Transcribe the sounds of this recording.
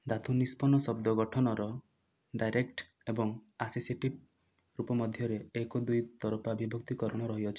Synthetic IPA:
d̪at̪ʰunispɔnɔsɔb̚d̪ɔɡɔʈʰɔnɔɾɔ | ɖajɾek̚ʈ | ebɔŋaseseʈib̚ | ɾupɔmɔd̪ʱjɔɾeekɔd̪ujt̪ɔɾɔpabʱibʱɔkt̪ikɔɾɔɽ̃ɔɾɔɦiɔt͡ʃʰi̥

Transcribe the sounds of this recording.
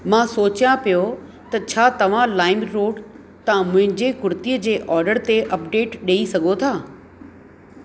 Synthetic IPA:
mãːsoːt͡ɕjãpijo | t̪ɐt͡ɕʰaːt̪ɐʋ̤ãlaːɪmɾoːɖ | t̪ɐãmʊ̃ɦɪ̃ɲd͡ʑekʊɾt̪iəd͡ʑeːʔɔːɾɖəɾt̪eʔɐpɖeːʈɗeːisɐɡʱot̪ʰaː

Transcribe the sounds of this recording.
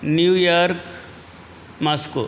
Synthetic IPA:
njujaɾk | masko

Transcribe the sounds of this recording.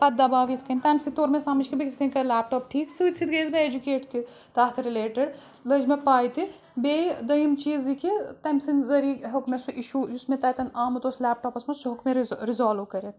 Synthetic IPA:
pɐt̪̚d̪ɐbaːʋjit̪ʰkɐnʲt̪ɐmsit̪oːɾmesaːmɐt͡ʃkibikʰt̪ʰinʲkɐɾlaːp̚ʈɔːp̚ʈʰiːksɨːt͡ʃʰit̪ɡɐjzmeed͡ʒukeːʈt̪ʰi | t̪aːt̪ʰɾileːʈɪɖ | lɐd͡ʒmepaːjt̪i | bed̪ɐjimt͡ʃiːzikit̪ɐmsinzɐɾiːɦokmesuʔiʃujusmet̪ɐːjt̪ɐnaːmɨt̪oslaːp̚ʈɔːpɐsmɐsuɦukmeɾizaːlukɐɾet̪ʰ

